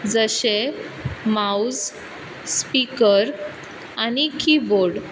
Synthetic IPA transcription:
d͡zəɕe | maud͡z | spikəɾ | anikiboɾɽ

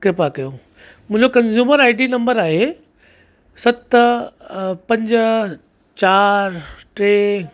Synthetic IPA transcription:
kɾɪpakɐjo | mʊ̃ɦɪ̃ɲd͡ʑokɐ̃nzuːməɾaːɪʈinɐ̃mbəɾaːɦe | sɐt̪ | pɐ̃ɲd͡ʑ | t͡ɕaːɾʈɾeː

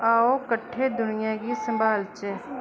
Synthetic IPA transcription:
aːokəʈʰːed̪ʊnɪjakisə̃mbaːlt͡ʃe

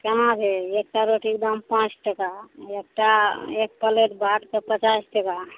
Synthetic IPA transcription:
kenat͡ʃʰeek̚ʈaɾoʈik̚d̪əmpãt͡ʃʈəkaek̚ʈaek̚pəleʈ̪baʈ̪kepət͡ʃasʈəka

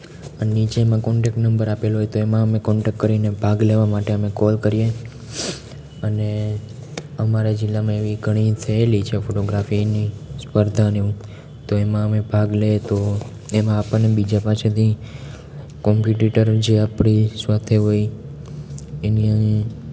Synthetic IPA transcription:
ənit͡ʃemãkɔɳʈek̚ʈnəmbəɾapelɦojt̪oemãəmekɔɳʈekkəɾinebʱaɡleʋamaʈeəmekɔlkəɾije | əne | əmaɾad͡ʒɪlːamãeʋiɡʱəɽ̃it̪ʰəelit͡ʃʰefoʈoɡɾafinispəɾd̪ʱaneũ | t̪oemãəmebʱaɡlet̪o | emãːpəɽnebid͡ʒapat͡ʃʰet̪ʰi | kɔmpjuʈiʈəɾd͡ʒeapɳisʋat̪ʰeɦoj | eniə̃

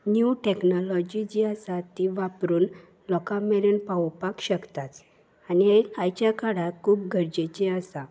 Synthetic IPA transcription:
njuʈeknɔlɔd͡ʑid͡ʑiəsat̪iʋapɾuːn | lɔkamɛɾəɳpawpakɕəkt̪at͡s | aniajt͡ɕjakaɽakʰuːpɡʱəɾd͡ʑet͡ɕiəsa

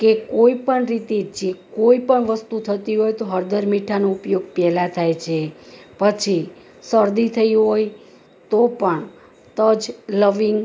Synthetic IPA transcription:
kekoipəɳɾit̪ed͡ʒekoipəɳʋəst̪ut̪ʰət̪iɦojt̪oɦəɾd̪əɾmiʈʰanoupjoɡ̚pɛlat̪ʰajt͡ʃʰepət͡ʃʰi | səɾd̪it̪ʰəiɦoj | t̪opəɳ | t̪əd͡ʒləʋiŋɡ

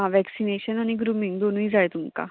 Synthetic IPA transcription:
ãʋɛksineɕənaɽ̃iɡɾumiŋɡd̪onũid͡zajt̪umka̰

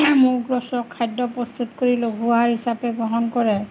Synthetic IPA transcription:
mʊɹɡɹɔsɔkʰːajdːɔpɹɔst̪utkoɹiloɡʱuaɹhisapɛɡɹɔɦɔnkɔɹɛ

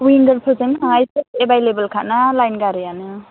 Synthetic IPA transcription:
wiŋɡəɾpʰɯzɯnaŋajsetebajlebəlkʰanalajnɡaɾɯjanɯ

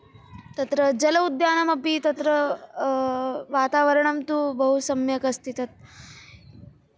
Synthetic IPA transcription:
t̪ɐt̪ɾəd͡ʒɐlɐud̪jaːnɐmɐpit̪ɐt̪ɾə | ʋat̪aʋəɾɳɐmt̪ubɐɦusɐmjɐkɐst̪it̪ɐt̪̚

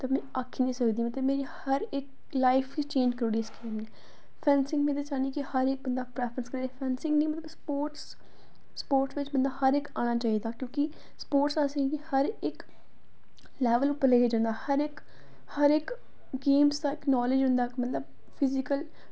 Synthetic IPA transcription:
t̪əmɛ̃ːakʰːiːnĩːsəkd̪iːmət̪əbmeːɾihəɾɪk | laːɪpʰkit͡ʃẽːɲd͡ʒkəɾuːɽiːɪskeːmneː | pʰɛːnsɪ̃ŋɡmɛ̃ːt̪at͡ʃaːniːkɪhəɾɪk̚bənd̪aːpɾɛːpʰɾənskəɾiːɾeːpʰɛ̃ːnsɪ̃ŋɡnĩːmət̪ləbspoːʈs | spoːɾʈsʋɪt͡ʃbənd̪aːhəɾɪkaːñaːt͡ʃaːiːd̪aːkjõːkɪ | spoːɾʈsaːsẽkɪhəɾɪk | lɛːʋəlʊpːəɾleɡeːd͡ʒãːnd̪aːhəɾɪk | həɾɪk | ɡeːmsd̪aːɪknɔːlɪd͡ʒɦʊ̃nd̪aːkmət̪ləb̚ | pʰɪzɪkəl

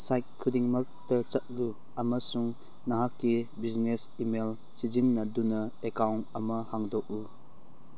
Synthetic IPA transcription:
sajt̚kʰːudiŋmɐk̚tɐt͡ʃɐt̚lu | ɐmɐsuŋ | naɦakːibiznesimel | sizinːɐdunɐekawnɐmɐhaŋdɔk̚u

